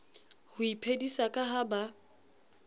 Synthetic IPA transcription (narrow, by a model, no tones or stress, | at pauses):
hʊipʰedisakʼaɦaba